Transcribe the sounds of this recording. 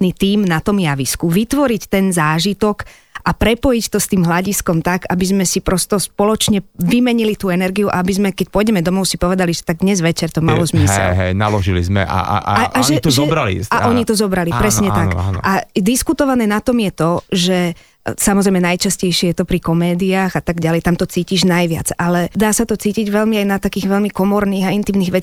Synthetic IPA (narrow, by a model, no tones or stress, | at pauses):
nit̪iːmnat̪ɔmjaʋiskuʋit̪ʋɔɾict̪ɛnzaːʒit̪ɔk | ʔapɾɛpɔjict̪ɔst̪iːmɦlaɟiskɔmt̪aɡabizmɛsipɾɔst̪ɔspɔlɔt͡ʃɲɛʋimɛɲilit̪uːɛnɛɾɡijuʔa̰abizmɛkɛc̚pʊɔjɟɛmɛd̪ɔmɔʊsipɔʋɛd̪aliʒɛt̪aɡ̚d̪ɲɛzʋɛt͡ʃɛɾt̪ɔmalɔzmisɛɛ̰ɦɛ̰jna̰lɔʒilḭzmɛ̰ʔa̰a̰aʒɛt̪ʒzɔbɾalḭaʔɔɲit̪ɔzɔbɾalipɾɛsɲɛt̪akʔad̪iskut̪ɔʋanɛːnat̪ɔmjɛt̪ɔʒɛ | samɔzɾɛjmɛnajt͡ʃascɛjʃɪɛjɛt̪ɔpɾikɔmɛːd̪iaːɣat̪aɡɟalɛjt̪amt̪ɔt͡siːciʒnajʋɪa̰t͡salɛd̪aːsat̪ɔt͡siːciɟʋɛlmiajnat̪akiːɣʋɛlmikɔmɔɾniːɣaint̪iːmniːɣʋɛt͡s